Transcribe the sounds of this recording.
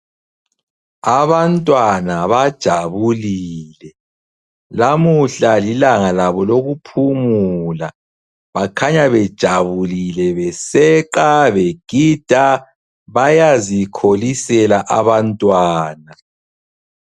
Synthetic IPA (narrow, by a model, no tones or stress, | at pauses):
aβantʼwanaβad̥ʒ̥ʱaβuliːlɛ | lamuɬalilaŋalaβɔloɣupʰumula | βakʰaɲaβɛd̥ʒ̥ʱaβulilɛβɛsɛǃaβɛɡ̥ʱid̥ʱa | βajazikʰolisɛlaʔaβantʼwaːna